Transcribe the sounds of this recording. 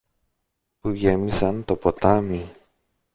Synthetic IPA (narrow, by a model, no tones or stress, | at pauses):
puʝemisɐnt̪opo̞t̪ɐmi